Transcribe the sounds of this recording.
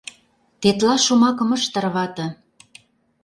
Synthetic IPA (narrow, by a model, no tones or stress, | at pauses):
t̪et̪lɑʃumɑkə̆mə̆ʃt̪ə̆rβɑt̪ɤ̆